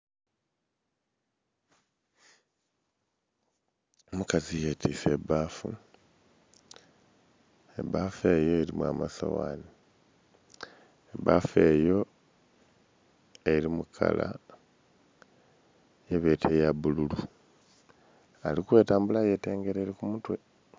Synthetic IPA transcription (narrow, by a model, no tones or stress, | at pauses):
mukazijetʰise̞βaːfṵ | ḛbafe̞jo̞eɾimwa̰ma̰sa̰wa̰ːni | ebafe̞ːjo̞ | eɾimukʰa̰la̰ | jeβetʰejaβululu | alikwe̞ːtaːmbulaje̞te̞ːŋɡe̞ɾeːɾikumutwe̞